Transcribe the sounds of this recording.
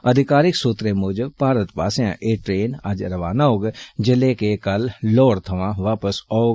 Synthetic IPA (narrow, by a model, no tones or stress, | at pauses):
əd̪ʱɪkaːɾɪksoːt̪ɾeːmʊd͡ʒpaːɾət̪pa̰ːsjã̰ːʔeːʈɾeːnəd͡ʒɾəʋaːnaːoːɡd͡ʒɪleːkekəlːɔːɽt̪ʰəʋãːʋaːpəsaːoɡ